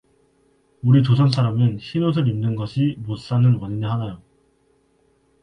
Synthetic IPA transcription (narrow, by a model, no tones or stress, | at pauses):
uɾit͡ɕosʰʌnsʰaɾamɯnçinos̬ʰɯɾimnɯnɡʌɕʰimos͈anɯnwʌɲineɦanajo